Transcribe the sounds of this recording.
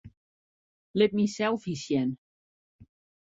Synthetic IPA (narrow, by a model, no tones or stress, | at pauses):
lɪp̚misɛlˠfisjɛn